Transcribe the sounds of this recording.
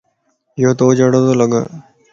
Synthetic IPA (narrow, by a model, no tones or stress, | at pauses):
ɪjoːt̪oːd͡ʒəɽõt̪oːləɡə̰